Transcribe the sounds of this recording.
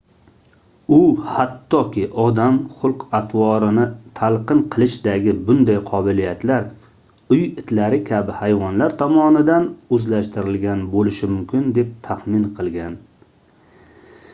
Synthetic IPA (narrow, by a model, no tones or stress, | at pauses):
ʊhat̪ʰːɒkʲɪʔɒd̪amχʊlˠqat̪ʰwɒɾɪnɪt̪ʰalˠqɨnqʰɨlˠɪʃd̪aɡʲɪbʊnd̪ajqʰɒbɪlijat̪laɾ | ʊjɪt̪ʰlaɾɪkʲʰabɪhajvɒnlaɾt̪ʰɒmɒnɪd̪anɵzlaʃt̪ɪɾɪlɡʲanbolɪʃɪmʊmkʲʰɪnd̪e̞p̚t̪ʰaχmɪnqʰɨlˠɡʲan